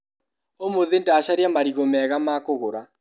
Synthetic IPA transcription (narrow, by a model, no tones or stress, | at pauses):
omoðendaɕaɾjamaɾiɣomɛɣamaːkoɣoɾa